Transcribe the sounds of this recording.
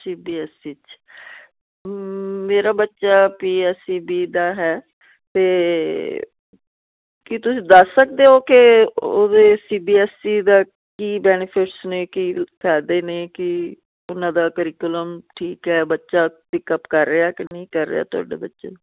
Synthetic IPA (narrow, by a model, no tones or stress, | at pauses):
siːbiːɛsiːt͡ʃ | meːɾaːbətːʃaːpiːɛsiːbiːd̪aːɦɛː | t̪eː | kɪt̪ʊsĩːd̪əsːək̚d̪eːɦoːkɪoːd̪eːsiːbiːɛːsiːd̪aː | kiːbɛːnɪpʰɪʈsnẽːkiːpʰɛːd̪eːnẽːkɪ | ʊnãːd̪aːkəɾɪkjʊləmʈʰiːkɦɛːbətːʃaːpɪkəpkəɾːeːaːkɪnəĩːkəɾːḛa̰ːt̪ʊa̰ːɖḛːbətːʃḛː